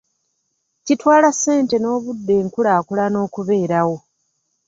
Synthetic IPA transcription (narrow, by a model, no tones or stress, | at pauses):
citwaːlasːe̞ːnte̞no̞ːβudːe̞ːŋkulaːkulano̞ːkuβe̞ːɾawo̞